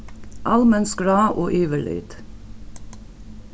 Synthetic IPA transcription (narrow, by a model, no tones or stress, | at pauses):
ʔɑlmənsɡɽɑːʔoːʔyːʋəɭy̰ːd̪̥